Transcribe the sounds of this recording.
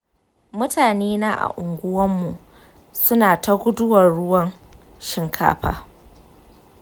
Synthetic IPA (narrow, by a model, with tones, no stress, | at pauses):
mʊ˦tʰaː˨neː˦na˦ʔa̰˨ʔʊ˨ŋɡʷʊ˦wɐ˦mːu˨ | sʊ˦naː˨ta˦ɡʷʊ˦dʊ˦wɐ˨rɽʊ˦wɐ˦n | ʃɪ˦ŋkʰa̰ː˦ɸa̰ː˨